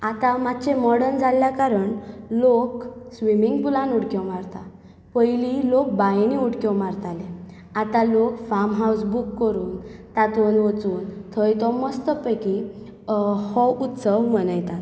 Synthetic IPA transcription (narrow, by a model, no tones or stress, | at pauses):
at̪ãmat̪t͡ɕemɔɽənd͡zaljakaɾəɳloksʋimiŋɡpulãnuɽkɔmaɾt̪a̰ | pəjlilok̚bajniuɽkɔwmaɾt̪alẽ | at̪ãlokfamɦawsbukːəɾuːnt̪at̪onʋət͡suːnt̪ʰəjt̪ɔməst̪əpəki | hɔʔut̪səwmənəjt̪at̪